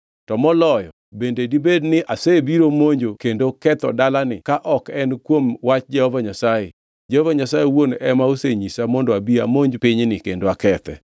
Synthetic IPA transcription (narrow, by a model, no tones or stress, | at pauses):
tɔmɔlɔjɔ̰ | bendedibednɪʔasebiɾomoɲd͡ʒokendokɛt̪ɔ̰dalanɪkaʔɔkɛnkwomwat͡ʃd͡ʒɛhɔvaɲasaje | d͡ʒɛhɔvaɲasajewonɛmaoseɲisamɔndoabiamoɲd͡ʒpɪɲnɪkendoakɛt̪ɛ̰